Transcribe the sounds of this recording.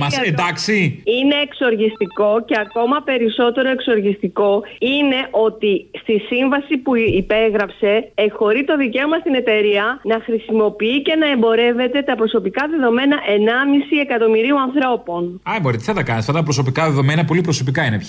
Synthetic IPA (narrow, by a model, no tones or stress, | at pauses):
mɐsed̪ɐksiine̞ːkso̞ɾʝist̪iko̞ce̞ɐko̞mɐpe̞ɾiso̞t̪e̞ɾo̞e̞kso̞ɾʝist̪iko̞ine̞ʔo̞t̪ist̪isiɱvɐsipuipe̞ɣɾɐpse̞ːxo̞ɾit̪o̞ðice̞o̞mɐst̪ine̞t̪e̞ɾiɐnɐxɾisimo̞piice̞nɐe̞mbo̞ɾe̞ve̞t̪e̞t̪ɐpɾo̞so̞pikɐðe̞ðo̞me̞nɐʔe̞nɐmisie̞kɐt̪o̞miɾiuɐnθɾo̞po̞nɐboɾit̪iθɐt̪ɐkɐnisɐft̪ɐt̪ɐpɾo̞so̞pikɐðeðo̞menɐpo̞lipɾo̞so̞pikɐinepç